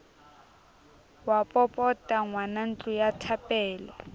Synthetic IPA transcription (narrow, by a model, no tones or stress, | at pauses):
wapʼɔpʼɔtʼaŋwanan̩t͡ɬʼujatʰapʼɛːlɔ